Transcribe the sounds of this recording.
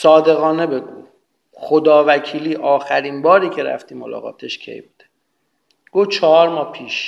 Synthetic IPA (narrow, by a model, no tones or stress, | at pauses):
sɒːd̪e̞ɣɒːnebe̞ɡṵ | xod̪ɒːvækʰiːliːʔɒːxæɾiːnbɒːɾiːcʰeɾæ̰ft̪iːmolɒ̰ːɣɒ̰ːt̪ʰeʃcʰe̞̰jbuːd̪̥e | ɡ̥ot͡ʃʰɒhɒːɾmɒːpʰiːʃ